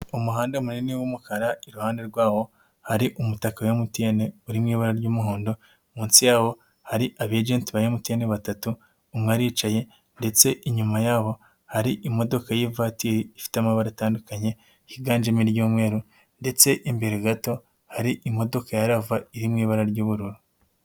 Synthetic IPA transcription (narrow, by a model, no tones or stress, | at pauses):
umuɦaːndemuniniwumukaɾaiɾuhaːndeɾɡwaːho̞ | haɾiʔumutakajomutene̞uɾimŋiːβaɾaɾɟuːmuɦoːndo̞ | muːnsijaːho̞ | haɾiʔaβed͡ʒeːntiβajomuteneβatatuː | mŋaɾiːt͡ʃaje̞ | nde̞t͡se̞ʔiɲumajaːho̞ | haɾiʔimo̞do̞kajevatiɾiːfi̥tamaβaɾataːndukaɲe̞ | hiɡaːɲd͡ʒemiɾɟuːmŋe̞ːɾu | nde̞t͡se̞ʔimbe̞ɾeɡato̞ | haɾiʔimo̞do̞kajaɾavaiɾimŋiːβaɾaɾɟuːβuɾuɾu